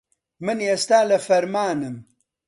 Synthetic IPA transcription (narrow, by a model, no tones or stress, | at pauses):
mɨnjest̪aːlɐfɐɾmaːnɨm